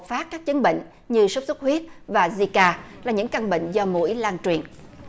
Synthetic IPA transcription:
faː˦˥t̚kaː˦˥k̚t͡ɕə˨˦nɓḭ˧˨ŋ̟ | ɲɨ˧sə˦˥p̚su˦˥k͡p̚hwi˦˥ət̚vaː˨˩zi˧kaː˧laː˨˩ɲɨ̰˧˥ŋka˧ŋɓḭ˧˨ŋ̟zɔ˧mṵ˧˥əjlaː˧nt͡ɕwi˨˩ən

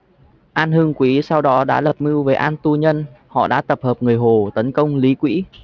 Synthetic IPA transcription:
ʔaː˧nhɨ˧əŋkwi˨˦sa˧wɗɔ˨˦ɗa̰ː˧˥lə˨˩p̚mɨ˧wve˨˩ʔaː˧nt̪u˧ɲə˧nhɔ̰˧˨ɗa̰ː˧˥t̪ə˨˩p̚həː˨˩p̚ŋɨ˨˩əjɦo˨˩t̪ə˨˦nkə˧wŋ͡mli˨˦kwḭ˧˥

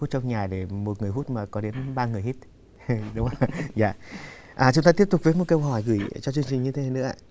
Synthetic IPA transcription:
u˦˥t̚t͡ɕɔ˧wŋ͡mɲaː˨˩ɗe˧˩mo˨˩t̚ŋ˨˩əjhu˦˥t̚maː˨˩kɔ˨˦ɗe˨˦nɓaː˧ŋɨ˨˩əjhi˦˥t̚ | ɗʊ˨˦ŋ͡ma˧˩zaː˧˨ | ʔaː˨˩t͡ɕʊ˨˦ŋ͡mt̪aː˧t̪i˦˥əp̚t̪k͡p̚vəː˨˦jmo˨˩ke˧wɦɔ˧˩jɣɨ̰˧˩jt͡ɕɔ˧t͡ɕɨ˧əŋt͡ɕï̟˨˩ɲɨ˧t̪ʰe˨˦naː˨˧˩nɨ̰˧˥əʔa̰ː˧˨

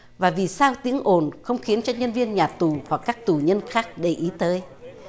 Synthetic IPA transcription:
vaː˨˩vi˨˩saː˧wt̪i˨˦əŋʔo˨˧˩nxə˧wŋ͡mxi˨˦ənt͡ɕɔ˧ɲə˧nvi˧ənɲaː˨˩t̪u˨˩hwa˨˩kːaː˦˥k̚t̪u˧˨˩ɲə˧nxaː˦˥k̚ɗe˧˩ʔi˨˦t̪əː˨˦j

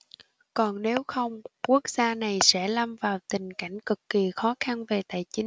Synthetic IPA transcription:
kɔ˨˩nne˨˦wxə˧wŋ͡mku˦˥ək̚z̥aː˧na˨˩jsɛ̰˧˥la˧mvaː˨˩wt̪ï˨˩ŋ̟ka̰˧˩jŋ̟kɨ˨˩kːi˨˩xɔ˨˦xa˧nve˨˩t̪aː˨˩jt͡ɕï˨˦ŋ

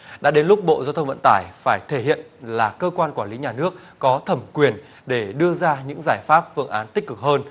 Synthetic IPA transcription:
ɗa̰ː˧˥ɗe˨˦nlʊ˦˥k͡p̚ɓo̰˧˨zaː˧wt̪ʰə˧wŋ͡mvə̰˧˨nt̪aː˧˩jfaː˧˩jt̪ʰe˧˩hḭ˧˨ənlaː˨˩kəː˧kwaː˧nkwaː˧˩nli˨˦ɲaː˨˩nɨ˦˥ək̚ːɔ˨˦t̪ʰə˧˩mkwi˨˩ən | ɗe˧˩ɗɨ˧əzaː˧ɲɨ̰˧˥ŋzaː˧˩jfaː˦˥p̚fɨ˧əŋʔaː˨˦nt̪ï˦˥k̟̚kɨ˨˩k̚həː˧n

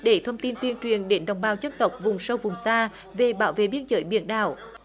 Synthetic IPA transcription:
ɗe˧˩t̪ʰə˧wŋ͡mt̪i˧nt̪wi˧ənt͡ɕwi˨˩ənɗe˨˦nɗə̰˧˩wŋ͡mɓaː˨˩wt͡ɕə˧˥mt̪ə˨˩wk͡p̚vʊ˨˩ŋ͡msə˧wvʊ˨˩ŋ͡msaː˧ | ve˨˩ɓaː˧˦wvḛ˧˨ɓi˧ənzəː˨˦jɓḭ˧˦ənɗa̰ː˧˩w

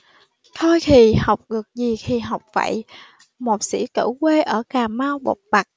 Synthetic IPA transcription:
t̪ʰo˧jt̪ʰi˨˩ha˨˩wk͡p̚ɗɨ˨˩ək̚zi˨˩xʰi˨˩ɦa˨˩wk͡p̚fa̰ː˧˨j | mo˨˩t̚sḭ˧˥kɨ̰˧˥kwe˧ʔəː˧˩kaː˨˩maː˧wɓo̰˧˨˩wk͡p̚ɓa˨˩k̚

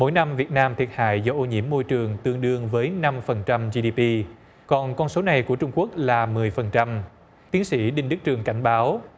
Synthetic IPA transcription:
mo̰˧˥jna˧mvi˨˩ət̚naː˧mt̪ʰi˨˩ət̚ha̰ː˧˨jzɔ˧ʔo˧ɲḭ˧˩əmːo˧jt͡ɕɨ˨˩əŋt̪ɨ˧əŋɗɨ˧əŋvəː˨˦jna˧mfə˨˩nt͡ɕa˧mzi˧ɗi˧pi˧ | kɔ˨˩nkɔ˧nso˨˦na˨˩jku˧˩ət͡ɕʊ˧ŋ͡mku˦˥ək̚laː˨˩mɨ˨˩əjfə˨˩nt͡ɕa˧m | t̪i˨˦əŋsḭ˧˩ɗï˧ŋ̟ɗɨ˦˥k̚t͡ɕɨ˨˩əŋka˧˩jŋ̟ɓaː˨˦w

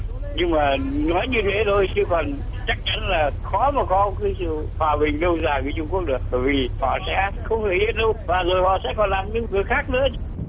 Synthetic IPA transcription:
ɲɨ˧ŋmaː˨˩nɔ˨˦jɲɨ˧t̪ʰe˨˦t̪ʰo˧jt͡ɕɨ˧kɔ˨˩n | t͡ɕa˦˥k̚t͡ɕa˨˦nlaː˨˩xɔ˨˦ma˨˩kɔ˨˦˧kaː˨˦jsɨ̰˧˨hwaː˨˩ɓï˨˩ŋ̟lə˧wzaː˨˩viː˨˦t͡ɕʊ˧ŋ͡mku˦˥ək̚ɗɨ˨˩ək̚ɓə˧˩jvi˨˩hɔ̰˧˨sɛ̰˧˥xə˧wŋ͡m̪ʰe˧˩zi˦˥t̚ɗə˧wvaː˨˩zo˨˩jhɔ̰˧˨sɛ̰˧˥kɔ˨˩nlaː˨˩mɲɨ̰˧˥ŋkɨ˨˩əjxaː˦˥k̚nɨ̰˧˥ə˧

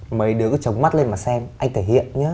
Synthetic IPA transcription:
mə˨˩jɗɨ˨˩əkt͡ɕə˨˩wŋ͡mma˦˥t̚le˧nmaː˨˩sɛ˧mʔa˧ŋ̟t̪ʰeː˧˩hḭ˧˨ənɲəː˨˦

